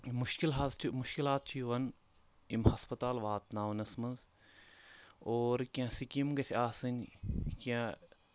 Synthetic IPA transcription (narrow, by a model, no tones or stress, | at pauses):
muʃkilɦazt͡ʃʰimuʃkilaːt̪̚t͡ʃʰiʋɐn | imhɐspɐt̪aːlʋaːt̪naːʋnɐsmɐnz | oːɾkiãːsikimɡɐt̪ʰʲaːsɨnʲkiã